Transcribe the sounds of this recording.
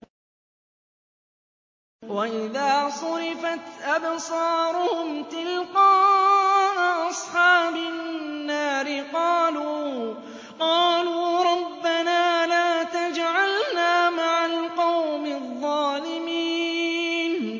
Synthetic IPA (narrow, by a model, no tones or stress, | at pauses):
waʔɪðaːsˤʊɾɪfat̪ʔabsˤɑːɾˤʊhʊmt̪ɪlqɑː | ʔaʔɑsˤħɑːbanːaːɾɪqɑːluː | qɑːluːɾˤɑbːanaːlaːt̪ad͡ʒʕalnaːmaʕalqɑwmɪðˤːɑːlɪmiː | n